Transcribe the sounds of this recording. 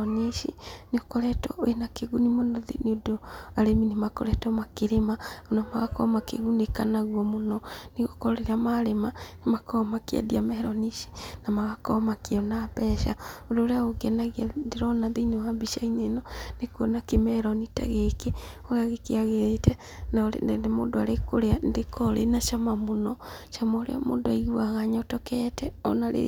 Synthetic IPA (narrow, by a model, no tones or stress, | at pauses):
niʃineokɔɾɛtɔ̰enakeɣunimonɔðḛneodoaɾeminemakɔ̰ɾɛtɔmakeɾemaonamaɣakɔ̰makḛɣunekanaɣwɔmonɔneɣokɔɾeɾamaɾemanemakɔmakea̰diamɛɾɔniʃi̥namaɣakɔmakeɔnapɛʃa̰oɾoɾeaɣoɡɛnaɣiadeɾɔnaðeinewambiʃainenɔnekuɔnakemɛɾɔnitɛ̰ɣeke | oɣaɣekeaɣeɾetɛ | na̰nnemo̰ndoaɾekoɾeandekʰɔɾḛnaʃamamonɔʃamaoɾḛɔ̰mo̰doaiɣwaɣaɲaotɔkɛtɛɔ̰naɾḛ